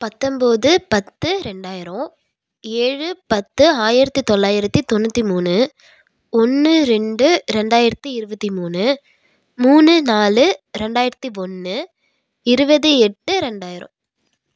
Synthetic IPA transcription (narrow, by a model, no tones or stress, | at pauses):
pɐt̪ːɔmboðɯpɐt̪ːɯɾɛɳɖaːjɪɾɐ̃ | eːɻɯpɐt̪ːɯaːjɪɾɐt̪ːit̪ɔɭːaːjɪɾɐt̪ːit̪ɔnːɯt̪ːimuːnɯ | ɔnːɯɾɛɳɖɯɾɛɳɖaːjɪɾɐt̪ːiɪɾɯbɐt̪ːimuːnɯ | muːnɯnaːlɯɾɛɳɖaːjɪɾɐt̪ːiɔnːɯ | ɪɾɯbɐðɯɛʈːɯɾɛɳɖaːjɪɾɐ̰̃